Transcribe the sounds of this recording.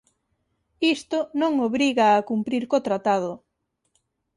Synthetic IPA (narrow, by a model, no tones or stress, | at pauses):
ist̪ʊnõŋoβɾiɣaːkumpɾiɾkot̪ɾat̪að̞ʊ